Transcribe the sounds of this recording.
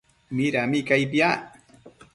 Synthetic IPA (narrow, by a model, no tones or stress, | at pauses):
miɾamɪkajpja